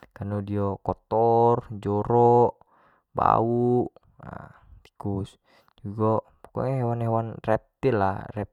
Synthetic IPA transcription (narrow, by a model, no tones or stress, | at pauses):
kanodiokɔt̪ɔrd͡ʒoɾɔʔ | ba̰uʔ | t̪i̥kus | d͡ʒuɡɔ | pu̥kɔ̰ɲaɦewanhewanrɛp̚t̪ila̰rɛp̚